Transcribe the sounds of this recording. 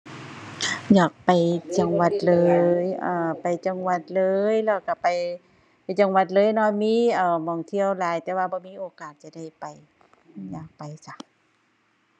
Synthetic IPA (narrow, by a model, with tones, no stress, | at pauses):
jaː˨˩k̚pa˨˩jt͡ɕa˧˩ŋwa˧t̪̚lɤː˧˦jʔaː˧˩pa˨˩jt͡ɕa˧ŋwa˧t̪̚lɤː˧jlɛː˧˩wka˧˩pa˨˩j | pa˨jt͡ɕa˧ŋwa˧t̪̚lɤː˧˥˨jnɔ˧˨miː˧˥˨ʔaː˧˩mɔː˨˩ŋt̪ʰi˧˥əwlaː˨˦jt̪ɛː˧waː˧bɔː˧˦miː˧˥˨ʔoː˨˦kaː˨˩t̪̚t͡ɕa˧˨da˧˥˩jpa˨˩j | jaː˨˩k̚pa˨˩jsa˧